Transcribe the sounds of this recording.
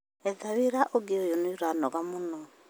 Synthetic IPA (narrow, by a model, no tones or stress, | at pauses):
ɛɡawiɾaʔoɡiɔjonuiɾanɔɣamunɔ